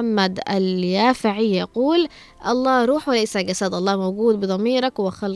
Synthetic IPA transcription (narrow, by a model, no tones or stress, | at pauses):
amːad̪a̰ljaːfaʕɪjɑquːl | ʔɑlˤːɑːɾˤuːħwɪlajsaɡasad̪ʔɑlˤːɑːmawɡuːd̪̚bɨd̪ˤɑmiːɾˤɑkwɪxal